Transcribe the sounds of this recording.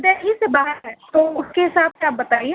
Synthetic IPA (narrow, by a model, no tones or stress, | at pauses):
d̪eːɦisebaɦəɾɦɛ̃t̪oːʊskeɦɪsaːb̚ʰseaːp̚bɐt̪aːie